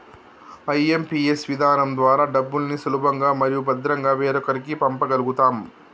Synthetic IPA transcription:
ɐjempiːesʋid̪ʱaːnɐmd̪ʋaːɾaːɖɐbːulnisulubɐŋɡaːmɐɾijubɐd̪ɾɐŋɡaːʋeːɾɔkɐɾikipɐmpɐɡɐluɡut̪aːm

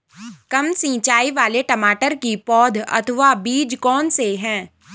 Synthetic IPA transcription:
kɐmsĩːt͡ʃaːiʋaːleʈɐmaːʈəɾkipɔːd̪ʱɐ̰t̪ʰʋabiːd͡ʒkɔːnseɦɛ̃ː

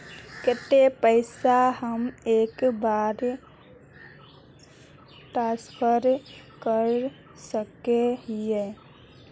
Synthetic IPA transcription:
kɛt̪epəɪsaɦəmeːkbaːɾ | ʈaːspʰəɾkəɾ | səkeɦie

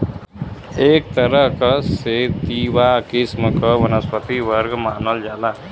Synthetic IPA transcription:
eːk̚t̪əɾəɦkəset̪iʋakisməkəʋənəspət̪iʋəɾɡmaːnold͡ʒaːla

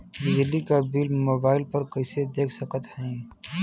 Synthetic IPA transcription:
bɪd͡ʒlikabiːlmoːbaːɪlpəɾkɐɪsed̪eːkʰsəkət̪ɦɛ̃

